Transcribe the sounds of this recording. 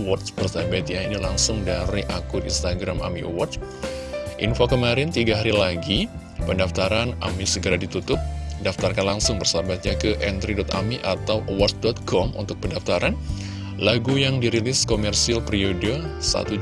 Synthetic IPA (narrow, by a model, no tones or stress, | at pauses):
wɔt̪sbərsabat̪̚ɲainilaŋsʊŋdaɾiʔakʊdinst̪aɡɾama̰mḭwɔts | ʔḭnfokəmaɾɪnt̪iɡaɦaɾilaɡi | pəndaft̪aɾanamisəɡəɾadit̪ut̪ʊp̚daft̪arkanlaŋsʊŋbərsabat̪̚ɲakəʔɛnt̪ɾidɔt̪a̰miʔat̪awʔwɔsdɔt̪̚kɔmṵnt̪ʊk̚pəndaft̪aɾan | laɡujaŋdiɾilɪskomɛrsialpɾiodəsa̰t̪u